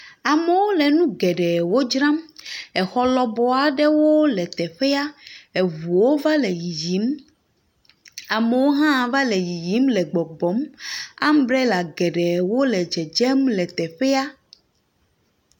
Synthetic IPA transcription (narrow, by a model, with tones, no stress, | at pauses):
a˨me˨wo˦lɛ˨nũ˦ɡɛ˨ɖɛ˨wo˦d͡ʒɾã˦mɛ˨xɔ˦lɔ˦bɔ˦a˨ɖɛ˦wo˦lɛ˨t̪ɛ˨ɸɛ˦a˦e˨vu˨wo˦va˦lɛ˨ji˨ji˨˦m | a˨me˨wo˦ɦã˦˨va˦le˨ji˨ji˦mlɛ˨ɡ͡bɔ˨ɡ͡bɔ˨˦ma̰˦m˦bɾɛ˦la˨ɡɛ˨ɖɛ˨wo˦lɛ˨d͡ʒɛ˨d͡ʒɛ˦mlɛ˨t̪ɛ˨ɸɛ˦a˦